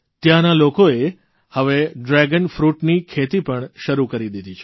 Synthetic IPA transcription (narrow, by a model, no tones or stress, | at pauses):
t̪jãnalokoe | həʋeɖɾɛɡənfɾuʈnikʰet̪ipəɳʃəɾukəɾid̪id̪ʱit͡ʃʰe